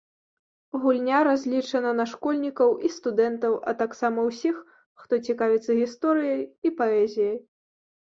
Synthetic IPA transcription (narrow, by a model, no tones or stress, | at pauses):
ɣulʲnʲaɾazʲlʲit͡ʂɐnɐnɐʂkɔlʲnʲikɐwʔist̪ud̪ɛnt̪ɐwʔɐ̰t̪aksamɐwsʲixː | t̪ɔt͡sʲikavʲit̪sːɐɣʲist̪ɔɾɨjɐjipaɛzʲijɐj